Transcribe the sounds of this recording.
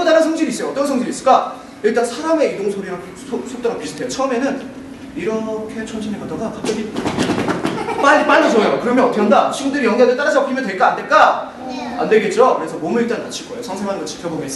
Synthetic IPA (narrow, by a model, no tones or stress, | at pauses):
ʌdanansʰʌŋd͡ʑiɾiːs͈ʌjoʌt͈ʌkʰesʰʌŋd͡ʑiɾis͈ɯɭk͈a | iɭt͈ansʰaɾame̞idoŋsʰoɾiɾa | osʰok̚t͈aŋɡɯpisʰotʰejot͡ɕʰʌɯme̞nɯn | iɾʌkʰe̞t͡ɕʰʌmɕʰineɡʌdaɡakak̚t͡ɕ͈ʌɡi | p͈ap͈aɭːot͡ɕoejokɯɾʌmjʌnʌtʰkʰʌndaɕʰiɡundɯɾijʌŋɡadɯɭt͈aɾad͡ʑʌpk͈imjʌndwe̞ɭk͈aːnde̞ɭk͈a | a̰ndwe̞ɭɡe̞t̚t͡ɕ͈okɯɾe̞sʰʌmomɯɭiɭt͈annat͡ɕʰiɭk͈ʌejosʰʌŋsʰeŋwanɡʌt͡ɕʰi̥pʰjʌboɡes͈